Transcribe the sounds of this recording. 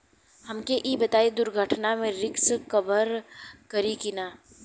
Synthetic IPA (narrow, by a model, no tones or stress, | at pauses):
hɐmkeʔiːbɐt̪aːed̪ʊɾɡʱəʈʰnamẽɾɪkskɐbəɾkɐɾikɪnaː